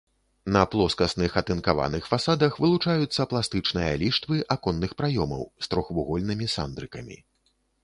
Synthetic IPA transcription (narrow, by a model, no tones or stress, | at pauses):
nɐplˠɔskɐsnɨxɐt̪ɨnkava̰nɨxfasad̪ɐxvɨlˠut͡ʂajut̪sːɐplˠast̪ɨt͡ʂnɨjɐ̰lʲiʂt̪vɨʔakɔnːɨxpɾajɔmɐ̰wst̪ɾɔxvuɣɔlʲnɨmʲisa̰nd̪ɾɨkɐmʲḭ